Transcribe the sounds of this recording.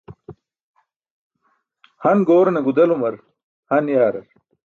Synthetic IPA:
hɐnɡoːɾɐnɐɡud̪ɐlumɐɾ | hɐnjaːɾɐ̰ɾ

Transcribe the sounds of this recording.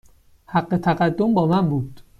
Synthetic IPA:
hæɢːe̞t̪ʰæɢæd̪ːombɒːmænbuːd̪̥

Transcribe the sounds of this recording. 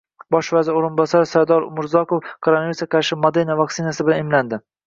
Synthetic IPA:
bɒʃvazɪɾoɾɪnbɒsaɾsaɾd̪ɒɾʊ̰mʊɾzɒkofkʰoɾonaviɾsaqʰɑɾʃɪmod̪eɾnavaktsɪnasɪbɪlanɪmland̪ɪ

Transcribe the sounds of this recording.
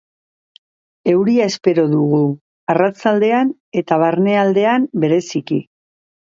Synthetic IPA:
e̞wɾiae̞spe̞ɾo̞ðuɣ̞u | arat͡sald̪e̞an | e̞t̪aβaɾne̞ald̪e̞ambe̞ɾe̞siki

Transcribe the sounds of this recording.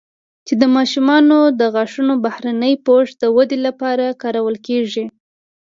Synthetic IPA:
t͡ʃed̪əmɑʃumɑnod̪əɣaʂunobahɾanəjpoʂd̪əwad̪elapɑɾakɑɾawəlkeʐi

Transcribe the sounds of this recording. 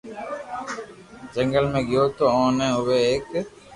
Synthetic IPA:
d͡ʒəŋɡəlmẽːɡɪjoːt̪oːaːnẽːɦʊʋeeːk

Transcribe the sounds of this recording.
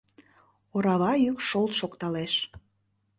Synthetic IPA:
oɾɑβɑjykʃolˠt̪ʃokt̪ɑleʃ

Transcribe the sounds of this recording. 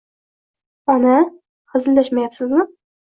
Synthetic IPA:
ɒna | χɨzɪld̪aʃmajapsɪzmɪ

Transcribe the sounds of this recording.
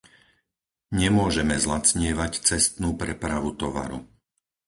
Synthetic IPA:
ɲɛmʊɔʒɛmɛzlat͡sɲɪɛʋact͡sɛst̪nuːpɾɛpɾaʋut̪ɔʋa̰ɾṵ

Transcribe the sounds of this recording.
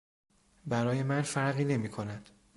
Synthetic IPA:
bæɾɒːje̞mænfæɾɣiːne̞miːkʰo̞næd̪̥

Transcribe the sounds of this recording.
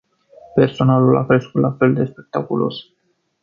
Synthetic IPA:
pe̞rso̞nalula̰kɾe̞skut̪lʔafe̞ld̪e̞spe̞k̚t̪akulo̞̰s

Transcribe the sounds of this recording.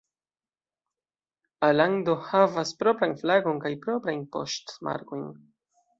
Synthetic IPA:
alandohavaspɾo̞pɾanflaɡo̞nkajpɾo̞pɾajnpo̞̰stma̰ɾkojn

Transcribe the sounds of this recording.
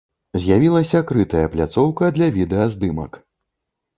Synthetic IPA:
zʲjavʲilˠɐsʲɐkɾɨt̪ɐjɐplʲat̪sɔwkɐd̪lʲɐvʲid̪ɛɐzd̪ɨmɐ̰k

